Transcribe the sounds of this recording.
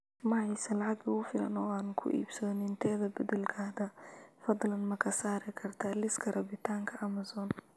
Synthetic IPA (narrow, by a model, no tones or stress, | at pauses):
mɑʕɑjsɐlɑʕɑɡɐʊfɪlɐ̰nɔːaːnkʰʊ̰ʔḭːbsɔːnɪnt̪ʰɛːðɐbɐd̪ɛlkʰaːd̪ɐfɑd̪ˤlɐnmɐkʰɐsaːɾɪkʰɐrt̪ʰɐlɪskʰɐrʔɐbɪt̪ʰaːŋkʰɐʔɐmɐsɔːn